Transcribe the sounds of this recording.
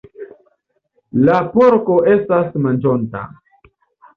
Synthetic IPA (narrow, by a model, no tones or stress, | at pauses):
lapo̞ɾko̞ʔe̞stasmand͡ʒo̞nta̰